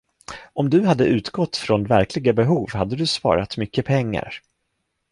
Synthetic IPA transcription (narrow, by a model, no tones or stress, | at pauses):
ɔmd̪ɵɦad̪ːəʔʉ̟ːt̪ɡɔt̪ːfɾɔnvæɾklɪɡabɛɦuːvhad̪ːəd̪ɵspɑ̰ːɾat̪mʏkːəpʰɛŋːa̰ɾ